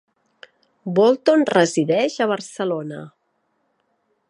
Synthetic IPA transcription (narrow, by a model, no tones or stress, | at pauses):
bolˠt̪onrəziðɛʒəβ̞ərsəlonə̰